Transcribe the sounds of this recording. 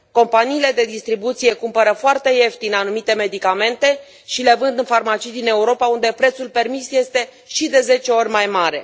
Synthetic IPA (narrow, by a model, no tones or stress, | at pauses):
ko̞mpaniːle̞d̪e̞d̪ist̪ɾibut̪sije̞kumpəɾəfoart̪e̞je̞ft̪inanumit̪e̞me̞d̪ikame̞nt̪e̞ | ʃile̞vɨnd̪ɨnfarmat͡ʃijd̪ine̞uɾo̞paund̪e̞pɾe̞t̪sulpe̞rmisje̞st̪e̞ | ʃid̪e̞ze̞t͡ʃe̞o̞rʲmajmaɾe̞̰